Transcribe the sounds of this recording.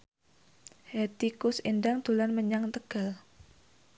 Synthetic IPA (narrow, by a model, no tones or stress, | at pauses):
het̪ikʊsindaŋd̪̥ulanməɲaŋt̪əɡ̥al